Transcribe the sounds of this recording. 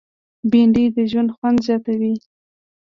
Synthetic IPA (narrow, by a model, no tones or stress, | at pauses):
biɳɖid̪əʒwand̪xwand̪zjɑt̪awi